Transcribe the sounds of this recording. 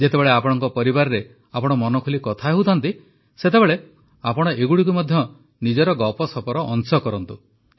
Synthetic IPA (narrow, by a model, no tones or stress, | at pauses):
d͡ʒet̪ebeɭeapɔɽ̃ɔŋkɔpɔɾibaɾɔɾe | apɔɽ̃ɔmɔnɔkʰulikɔt̪ʰaeɦut̪ʰɔnt̪i | set̪ebeɭe | apɔɽ̃ɔʔeɡuɽik̬umɔd̪ʱjɔ | nid͡ʒɔɾɔɡɔpɔsɔpɔɾɔʔɔnsɔkɔɾɔnt̪u